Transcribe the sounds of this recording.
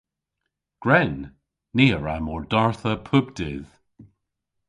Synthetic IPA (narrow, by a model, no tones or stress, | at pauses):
ɡ̥ɹɛnː | iːəɹamɔɹdaɹθəpʰʊbdɪð̥